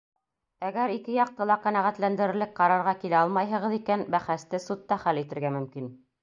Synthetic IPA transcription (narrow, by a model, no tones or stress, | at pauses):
æɡæɾikɘjɑq̚t̪ɤlˠɑqænæʁæt̪lænd̪ɘ̆ɾɘ̆ɾlɘk̚qɑɾɑɾʁɑkilæɑlˠmɑjɦɤ̆ʁɤ̆ðikænbæχæst̪ɘsut̪ːɑχælit̪ɘ̆ɾɡæmɵ̆mkin